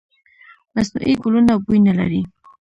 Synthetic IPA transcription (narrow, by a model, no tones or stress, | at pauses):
masnṵʔiɡʊlunawbujnala̰ɾi